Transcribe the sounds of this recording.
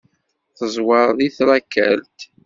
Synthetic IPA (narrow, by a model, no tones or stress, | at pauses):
θəzˤwɑɾˤðiθɾækːæ̰lt̪